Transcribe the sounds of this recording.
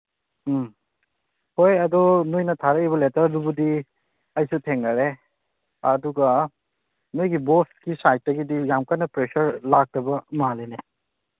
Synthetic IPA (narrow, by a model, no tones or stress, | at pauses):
hojɐdɔnujnɐtʰaɾɐiβɐletɐɾdubudi | ɐjsutʰeŋlɐɾe | ɐduɡɐ | nujɡibostkisajt̚ːɐɡidijamkajnɐpɾesɐɾlak̚tɐbɐmalene